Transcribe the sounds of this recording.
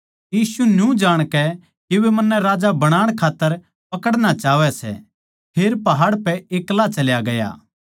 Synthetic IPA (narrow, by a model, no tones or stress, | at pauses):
jiːsunjũd͡ʒaːɽ̃kɛ | kiʋemɐnːɛɾaːd͡ʒabɐɽ̃aːɽ̃kʰaːt̪ːəɾ | pɐkəɽnat͡ʃaːʋɛsɛ̰ | pʰeːɾpɐɦaːɽpɛeːklat͡ʃɐljaɡɐja̰ː